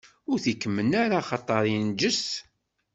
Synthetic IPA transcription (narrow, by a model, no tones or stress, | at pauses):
ʊɾθikːəmːənaɾaχɑt̪ˤːɑɾˤind͡ʒəs